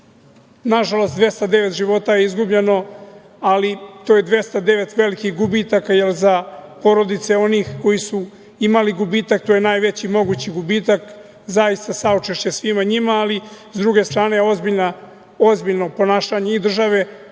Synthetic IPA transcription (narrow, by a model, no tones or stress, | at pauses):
naʒalo̞st̪d̪ʋje̞st̪ad̪e̞ʋet̪ʒiʋo̞t̪ajeizɡubʎe̞no̞ | alit̪ojed̪ʋje̞st̪ad̪e̞ʋe̞t̪ʋe̞likixɡubiːt̪akajelzapo̞ɾo̞d̪it̪se̞o̞niːxko̞jisu | imaliɡubiːt̪ak̚t̪o̞ːjenaːjʋe̞t͡ɕimo̞ɡuːt͡ɕiɡubiːt̪ak | zaist̪asaot͡ʃeʃt͡ɕe̞sʋimaɲimaːlizd̪ɾuɡe̞st̪ɾaːne̞jeo̞zbiʎna | o̞zbiʎno̞po̞naːʃaːɲe̞id̪r̩ʒaʋe̞